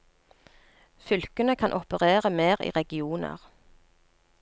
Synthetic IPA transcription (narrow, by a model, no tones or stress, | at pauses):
fʏlkənəkʰɑnʔɔpəʁeːʁəmeːʁḭːʁɛɡɪuːnə̰ʁ